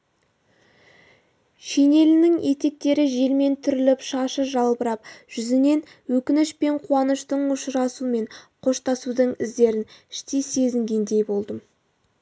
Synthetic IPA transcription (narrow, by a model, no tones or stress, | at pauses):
ʃejne̞lɪnɪŋe̞t̪e̞k̚t̪e̞ɾɪʒe̞lme̞nt̪ʰʏɾɪlɪpʃɑʃəʒɑlˠbəɾɑpʒ̥ʏzɪne̞n | wɵkʲɪnɪʃpe̞ɴqʰuɑnəʃt̪əɴʊʃɾɑsume̞ɴqʰo̞ʃt̪ɑsud̪əɴɪzd̪e̞ɾɪnɪʃt̪ese̞zɪŋɡʲe̞nd̪e̞jbo̞lˠd̪əm